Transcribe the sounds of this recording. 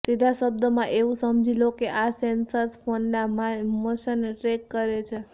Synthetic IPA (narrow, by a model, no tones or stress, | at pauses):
sid̪ʱasəb̚d̪əmãʔeũsəmd͡ʒʱilokeʔasensəɾspʰonːamamoʃənʈɾekːəɾet͡ʃʰe